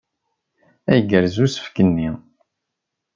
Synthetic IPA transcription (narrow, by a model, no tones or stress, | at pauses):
æjəɡəɾzusə̥fkənːi